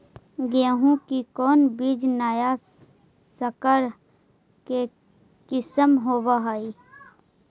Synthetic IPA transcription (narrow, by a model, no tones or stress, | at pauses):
ɡẽːɦũkikɔːnbiːd͡ʒnaːja | səkəɾ | ke | kɪsəmɦoːʋaɦaːi